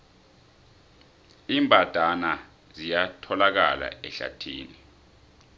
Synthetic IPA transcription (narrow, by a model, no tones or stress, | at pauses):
iːmbʱʼad̥ʱana | zijatʰɔlak̬a̰la̰ɛɬa̰tʰḭːni